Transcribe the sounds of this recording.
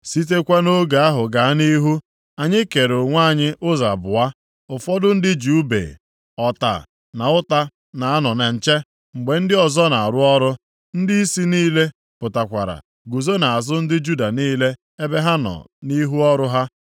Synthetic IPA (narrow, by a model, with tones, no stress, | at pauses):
si˦t̬e˦kʷa˦no˦ɡa˨a˦ɦʊ˨ɡa˨a˦ni˦ɦu˦ | a˨ɲɪ˦ke˨ɾo˨ŋʷa˦˨ɲɪ˦ʔʊ˦za̰˨bʊ̰˨a˦ | ʊ˨fɔ˦dʊ˦n̩˦dɪ˦d͡ʒu˦bḛ˨ | ɔ˨ta̰˨ | na˨ʊ˦ta˦ | na˨a˦nɔ˨ne˨n̩˨t͡ʃe˦ | ŋ͡m̩˨ɡ͡be˨n̩˦dɪ˦ɔ˨zɔ˦na˨a˨ɾʊ˦ɔ˦ɾʊ˦ | n̩˦dɪ˦i˦si˦niː˦le˦ | pʊ˨ta˨kʷa̰˨ɾa̰˨ | ɡu˨zo˦na˨a˨zʊ˦n̩˦dɪ˦d͡ʒu˦da˨niː˦le˦ | e˦be˦ɦa˦nɔ̰˨ni˦ɦu˦ɔ˦ɾʊ˦ɦa˦